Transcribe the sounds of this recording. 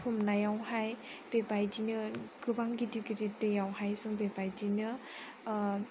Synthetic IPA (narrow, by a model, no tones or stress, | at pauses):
pʰumnajawhajb̥ebajdinɯɡ̥ɯbaŋɡidiɡidetɯjawɦajsɯŋbebajdinɯ